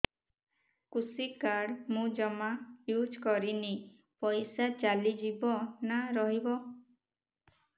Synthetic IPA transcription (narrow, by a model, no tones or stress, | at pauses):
kusikaɽmũd͡ʒɔmajud͡ʒkɔɾini | pɔjsat͡ʃalid͡ʒibɔnaɾɔɦibɔ